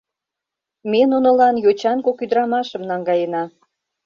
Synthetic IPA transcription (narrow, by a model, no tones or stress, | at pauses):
menunŏlɑnjot͡ɕɑnkokyd̪ɾɑmɑʃə̆mnɑŋɡɑjənɑ